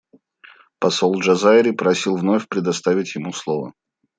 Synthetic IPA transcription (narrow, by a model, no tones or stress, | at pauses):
pɐsolˠʐɐzaɪɾʲɪpɾɐsʲilˠvnofʲpɾʲɪd̪ɐst̪avʲɪtʲjɪmuslˠovə̰